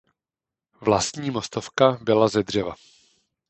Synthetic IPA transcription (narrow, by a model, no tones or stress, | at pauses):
vlast̪ɲiːmo̞st̪ofkabɪlazɛd̪r̝ɛva̰